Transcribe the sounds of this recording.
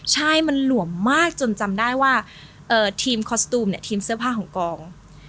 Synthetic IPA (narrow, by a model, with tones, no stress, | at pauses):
t͡ɕʰa˥˩jma˧nlu˩˦əmːaː˥˩k̚t͡ɕo˧nt͡ɕa˧mdaː˥˩jwaː˥˩ | ʔɤː˨˩t̪ʰiː˧mkʰɔː˧st̪uː˧mni˥˩t̪ʰiː˧msɯ˥˩ɐpʰaː˥˩kʰɔː˩˦ŋkɔː˧ŋ